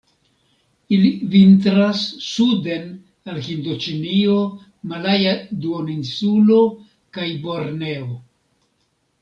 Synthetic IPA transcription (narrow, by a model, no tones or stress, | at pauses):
ilivintɾasːude̞n | alhindot͡ʃinio̞ | malajaduoninsulo | kajbo̞ɾne̞o